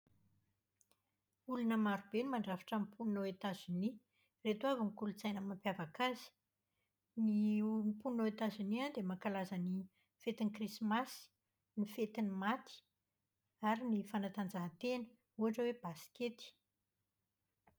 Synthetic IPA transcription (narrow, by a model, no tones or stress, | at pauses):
ulunəmaɾubenimaɳɖ͡ʐafḁʈ͡ʂampʰunnoet̪azini | ret̪uavəŋikulut͡sajnəmampjavakaz̥i̥ | nimpunoet̪aziniand̪emakalazəni | fet̪inikrismasi̥ | nifet̪inimat̪ʰi̥ | aɾinifanat̪and͡zaɦat̪enə̥ | uaʈ͡ʂəweb̥asi̥ket̪i̥